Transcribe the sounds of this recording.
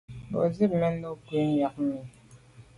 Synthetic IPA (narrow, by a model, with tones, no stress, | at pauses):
bɔ̰˨zi˦p̚mɛ˦no˦kwe˦mja˨k̚mi˨